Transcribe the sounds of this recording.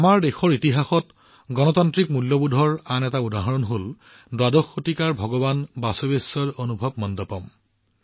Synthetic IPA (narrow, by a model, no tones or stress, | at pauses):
amaɹdexɔɹitiɦaxɔt | ɡɔnɔtantɹikmuljɔbudʱɔɹanɛtaudaɦɔɹɔnɦol | dwadɔxotikaɹbʱɔɡɔbanbasobesɔdonubʱɔb̚mɔndɔpɔm